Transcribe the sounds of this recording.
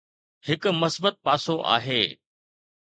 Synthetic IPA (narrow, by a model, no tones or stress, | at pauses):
hɪkʊmɐsbət̪̚paːsoʔa̰ːɦeː